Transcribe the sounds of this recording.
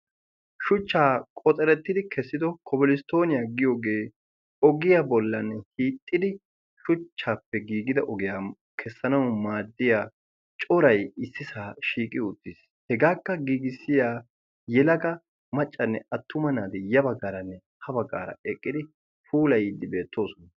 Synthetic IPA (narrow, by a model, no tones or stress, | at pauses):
ʃʊt͡ʃːaːkʼɔt̪ʼɛɾɛt̪ːɪd̪ɪkʰɛsːɪd̪ɔkʰɔbɪlɪst̪o̞ːnɪjaːɡɪjo̞ːɡeː | ɔɡɪjabɔlːɐnːɛhiːt̪ʼːɪd̪ɪ | ʃʊt͡ʃːaːpːɛɡiːɡɪd̪ɐʔɔɡɪjaː | kʰɛsːɐnɐwmaːd̪ːɪjaː | t͡ʃʼɔɾɐjɪsːɪsaːʃiːkʼɪʊt̪ːɪs | hɛɡaːkːɐɡiːɡɪsːɪjaː | jɛlɐɡɐ | mɐt͡ʃʼːɐnːɛɐt̪ːʊmɐnaːd̪ɛjɐbɐɡːaːɾɐnːɛ | hɐbɐɡːa̰ːɾɐ̰ɛkʼːɪd̪ɪ | fuːlɐjd̪ːɪbe̞ːt̪ːo̞ːsɔnɐ